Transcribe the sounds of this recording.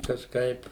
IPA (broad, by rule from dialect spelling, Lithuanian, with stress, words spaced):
kɐʃˈkɐɪp